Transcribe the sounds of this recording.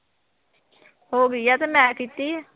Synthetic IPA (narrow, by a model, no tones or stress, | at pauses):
ɦoːɡəiːɛːt̪eːmɛ̃ːkiːt̪iː